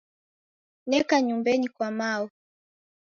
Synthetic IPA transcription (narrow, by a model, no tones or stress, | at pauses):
nɛkaɲumbɛnikwamaɔ